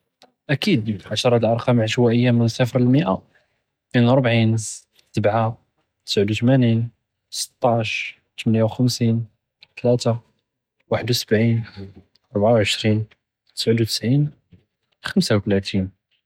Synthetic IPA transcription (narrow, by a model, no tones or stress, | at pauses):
ʔækid̪ʕaʃɾˤɑt̪əlʔɑɾˤqɑmʕəʃwæʔəjːamənsæfɾlməʔa | inəɾˤbʕin | səbʕa | t̪ə̥sʕəd̪uwt̪mænin | sə̥t̪ˤːɑʕʃ | t̪əmənjawxəmsin | t̪læt̪a | waħəd̪wsə̥bʕin | ʔɑɾˤbʕawʕəʃɾin | t̪ə̥sʕəd̪uwt̪ə̥sʕin | xəmsawt̪əlæt̪in